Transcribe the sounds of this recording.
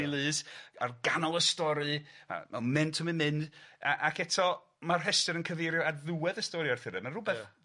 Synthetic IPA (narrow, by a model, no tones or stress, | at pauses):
ilˠɨːsa̰rɡanɔlˠəstɔɾɨa̰mamɛntʰəmɨnmɨndʔakʰɛtʰɔ | marɦɛstɨɾənkʰəveɾjɔadðuwɛðəstɔɾɨarθɪɾɛmənrʊbɛθ